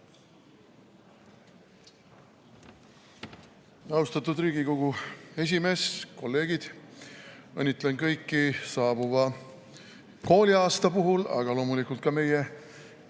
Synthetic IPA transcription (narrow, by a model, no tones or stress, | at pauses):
ɑwst̪ɑt̪ːˑud̪riːɡ̥iko̞ɡue̞s̬ʲime̞sko̞lːe̞ːɡ̥id̪̥ | ɤnʲːit̪ːˑlenkɤjkːisɑːb̥uvɑ | ko̞ːlʲiɑːst̪ɑpuɦulɑ̰ɡ̥ɑlo̞ːmulikˑult̪̚kɑme̞je